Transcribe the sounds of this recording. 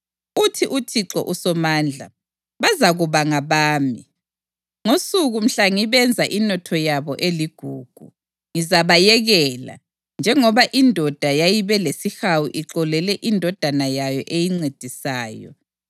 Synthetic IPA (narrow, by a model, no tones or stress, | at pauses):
utʰiʔutʰiǁɔ̰ʔusɔmaːnd͡ɮʱa | βazaɣuβaŋaβaːmi | ŋosuɣum̩ɬaŋiβɛnd͡zʱaʔinɔtʰɔjaβɔʔeliɡ̥ʱuːɡ̥ʱṵ | ŋizaβajɛɣɛla̰ | nd͡ʒʱɛŋɔβaʔindʱɔd̥ʱajajiβɛlesixawḭʔiǁɔlɛlɛʔindʱɔd̥ʱanajajɔʔejiŋ͡ǀed̥ʱisaːjɔ̰